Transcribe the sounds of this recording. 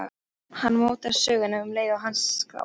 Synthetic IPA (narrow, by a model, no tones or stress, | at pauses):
hanːmoːwt̪aɾsʏːɣʏnavʏmleːjvaɦanskla̰w